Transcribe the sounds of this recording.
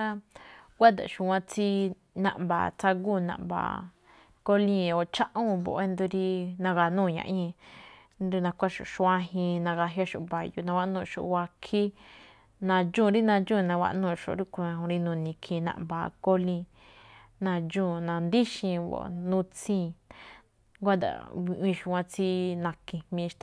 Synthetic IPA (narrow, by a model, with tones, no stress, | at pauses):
a˦ɡʷa˦d̪a̰˨ʃu˨˧wã˧t͡si˧ | nã̰˧˨ʔmba̰˨t͡sa˧ɡu˦˨nã̰˨mba̰˨ | ko˦lĩ˦˧˨o˨t͡ʃã˦ʔũ˦βo̰˨˧e˦nd̪u˧ɾi˦nã˧ɣa˧nũː˦˨ɲã̰˧ʔĩ˦˧˦ | nd̪u˧nã˧kʷa˦ʃo̰˨ʃu˧ã˦˧ɦĩ˧nã˧ɣa˧ɦja˦ʃo̰˨βa˨ju˧nã˧wa˦ʔnũ˧˨˧ʃo̰˧˨˧wa˧kʰi˦ | nã˧d͡ʒũː˦˨˧ɾi˦nã˧d͡ʒũː˦˨˧nã˧βa̰˧ʔnũː˦˧˨ʃo̰˨˦ɾi˦ku˧ã˧ɦũ˧ɾi˧nũ˧nĩ˧kʰĩ˧nã̰˧ʔβa̰˧˨˧ko˦lĩ˧ | nã˧d͡ʒũ˦˨˧nã˧nd̪i˦ʃĩ˧βo̰˨˧nũ˧t͡sĩ˦˧ | ɡʷa˦d̪a̰˨βi˧ʔĩ˧ʃu˧wã˧t͡si˦nã˧kĩ˧mĩ˧ʃt̪a˧˨